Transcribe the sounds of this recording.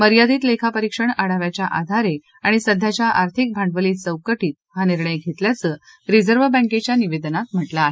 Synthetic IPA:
məɾjad̪iːt̪lekʰapəɾikʂəɳaɽaʋjat͡ɕjaʔad̪ʱaɾe | aɽ̃isəd̪ʱːjat͡ɕjaʔaɾt̪ʰik̚bʱaɳɖʋəliːt͡səwkəʈiːt̪̚haniɾɳəjɡʱet̪ljat͡səː | ɾid͡zəɾʋəbə̃ket͡ɕjaniʋed̪nat̪m̤əʈlaːɦe

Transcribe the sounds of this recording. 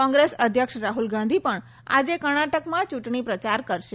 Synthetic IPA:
ɔ̃ŋɡɾesəd̪ʱjəkʃɾaɦulɡãnd̪ʱipəɳ | a̰d͡ʒekəɽ̃aʈəkmãt͡ʃuʈɳ̃ipɾət͡ʃaɾkəɾʃe

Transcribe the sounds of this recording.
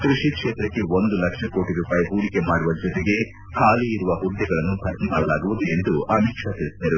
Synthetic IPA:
k̪ɾuʂikʂeːt̪ɾɐkːe̞ʋond̪ulɐkʂɐko̞ːʈiɾuːpaːjiɦuːɽike̞maːɽuʋɐd͡ʒɔt̪eɡe̞ | kʰaːliːɾuʋɐɦud̪ːɛɡɐɭɐnːupɐɾt̪maːɽɐlaːɡuʋud̪ue̞nd̪uɐmiːkʂɐt̪iɽsid̪ɐɾu

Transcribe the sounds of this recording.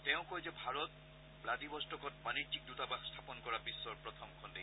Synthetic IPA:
tɛʊ̃kojzɛbʱaɹɔt | bladibɔstɔkɔt̚manitːik̚dutabaxstʰapɔnkɔɹabisːɔɹpɹɔtʰɔmkʰɔnde

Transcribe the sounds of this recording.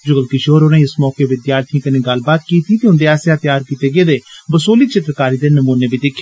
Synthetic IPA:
d͡ʒʊɡəlkɪʃoːɾonẽɪsmɔːkeːʋɪd̪jaːɾt̪ʰiãːkəneːɡəlbaːt̪kiːt̪iːt̪eːʊ̃nd̪eːaːsjaːt̪jaːɾkiːt̪eːɡeːd̪eːbəsoːliːt͡ʃʰɪt̪ɾəkaːɾiːd̪eːnəmuːneːbiːd̪ɪkʰːeː

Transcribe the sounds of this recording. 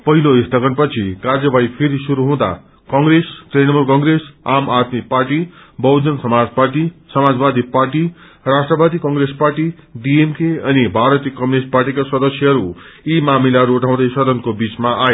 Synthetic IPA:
pʌɦiloist̪ʌkʌnpʌt͡sʰikard͡zʌbajpʰeɾisuɾuɦũd̪a̰ | kʌŋɡɾestrenʌmurkʌŋɡɾesamat̪miparʈi | bʌwd͡zʌnsʌmad͡zpaʈisʌmad͡zbad̪iparʈi | rasʈrʌbad̪ikʌŋɡɾesparʈi | ɖiemkeʌnibʱaɾʌt̪ijʌkʌmunesʈ̚parʈikasʌd̪ʌsjʌɦʌɾu | imamilaɦʌɾuːʈʰãw̃d̪ʌjsʌd̪ʌnkobit͡smaʔae

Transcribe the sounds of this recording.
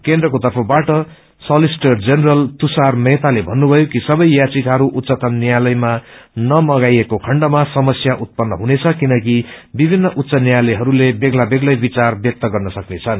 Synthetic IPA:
kend̪rʌkot̪ʌrpʰʌbaʈʌ | sʌlisʈʌrd͡zeneɾʌlt̪usarmet̪alebʱʌnːubʱʌjokisʌbʌjjat͡sikɦʌɾuʔut̪ːsʌt̪ʌnːjalʌjmanʌmʌɡajekokʰʌɳɖʌmasʌmʌsjaʔut̪̚pʌnːʌ̰ɦunet͡sʰʌkinʌkibibʱinːʌʔut̪sʌnijalʌjɦʌɾulebeɡlabeɡlʌjbit͡sarbjʌk̚t̪ʌɡʌrnʌsʌknet͡sʰʌn

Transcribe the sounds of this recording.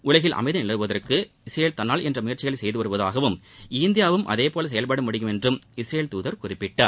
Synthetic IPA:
ʔʊɭɐɣɪlʔɐ̰mɐɪðɯnɪlɐɾɯʋɐðɐrkɯ | ɪsɾejeːlt̪ɐnːaːlɛndrɐmʊjɐɾt͡ʃːɪɣɐɭɐsɛjðɯʋɐɾɯʋɐðaːɣɐʋɯmɪːnd̪ɪjaːʋɯmʔɐ̰ðeːpoːlɐs̬ɛjɐlpɐɽɐmʊɽɪjɯmɛndrɯmɪsɾejeːlt̪uːðɐɾkʊrɪpːɪʈːaːɾ

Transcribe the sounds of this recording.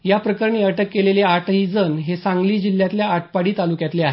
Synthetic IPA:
japɾəkəɾɳiəʈʰəkːeleljeaʈʰɦid͡zənɦesãŋɡliːd͡ʑil̤jat̪ljaːʈ̚ʰpaɽiːt̪alukjat̪leaɦe

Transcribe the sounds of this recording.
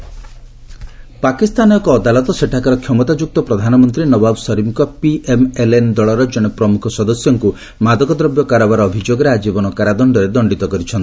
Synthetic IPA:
pakist̪anɔjɔkɔːd̪alɔt̪ɔseʈʰakaɾɔkʰjɔmɔt̪ad͡ʒuk̚t̪ɔpɾɔd̪ʱanɔmɔnt̪ɾinɔbabsɔɾimkɔpiʔemelend̪ɔɭɔɾɔd͡ʒɔɽ̃epɾɔmukʰɔsɔd̪ɔsjɔŋku | mad̪ɔkɔd̪ɾɔbjɔkaɾɔbaɾɔːbʱid͡ʒoɡɔɾead͡ʒibɔnɔkaɾad̪ɔɳɖɔɾed̪ɔɳɖit̪ɔkɔɾit͡ʃʰɔnt̪i̥

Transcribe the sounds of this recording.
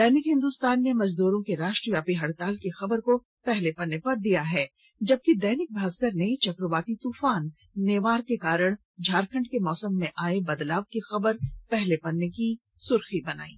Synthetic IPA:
d̪ɛːnɪkɦɪ̃nd̪ʊst̪aːnːemɐzd̪uːɾõkeɾaːʃʈɾiʋjaːpiɦɐɽt̪aːlkexɐbəɾko | pɛɦlepɐnːepɐɾd̪ijaɦɛː | d͡ʒɐb̚kid̪ɛːnɪk̚bʱaːzɡəɾnet͡ʃɐkɾəʋaːt̪it̪uːfaːnː | eːʋaːɾkekaːɾəɽ̃ | d͡ʒʱaːɾkʰə̃ɳɖkemɔːsəmːẽʔaːebɐd̪laːʋkixɐbəɾpɛɦlepɐnːeki | sʊɾxibɐna̰ːḭː

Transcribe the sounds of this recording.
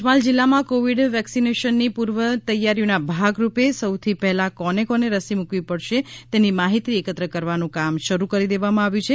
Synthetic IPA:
mald͡ʒilːamãkoʋiɖʋɛksineʃənːipuɾʋət̪əjːaɾjonabʱaɡɾupesəwt̪ʰipɛɦlakɔnekɔneɾəsimukʋipəɽʃet̪enimaɦit̪iekət̪ɾəkəɾʋanũkamʃəɾukəɾid̪eʋamãaʋjũt͡ʃʰe

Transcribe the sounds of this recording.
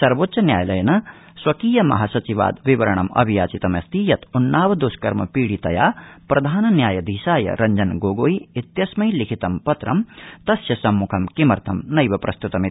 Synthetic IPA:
sɐɾʋoːt̪ːsʃɐnjaːjlɐjɐnɐ | swɐkiːjɐmɐ̰ɦasɐt͡ʃiʋa̰ːd̪ʋiʋɐɾɐɳ̃ɐmɐ̰bʱijaːt͡ʃit̪ɐmɐst̪iːjɐt̪unːaːʋɐd̪oːskɐɾmɐpiːɽit̪ɐjaːpɾɐd̪ʱaːnɐnjaːjɐd̪ʱiːsaːjɐ̰ɾɐɲd͡ʒɐnɡoːɡoːiit̪jɐsmɐjlikʰit̪ɐmpɐt̪ɾɐmt̪ɐsjɐsɐmːukʰɐmkimɐɾt̪ʰɐmnɐjʋɐpɾɐst̪ut̪ɐm

